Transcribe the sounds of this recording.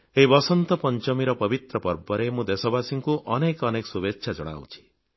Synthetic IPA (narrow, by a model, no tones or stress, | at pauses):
eɦibɔsɔnt̪ɔpɔnt͡ʃɔmiɾɔpɔbit̪ɾɔpɔɾbɔɾemũd̪esɔbasiŋkuʔɔnekɔnekɔ̥subekʃʰad͡ʒɔɽ̃a̰wt͡ʃʰi̥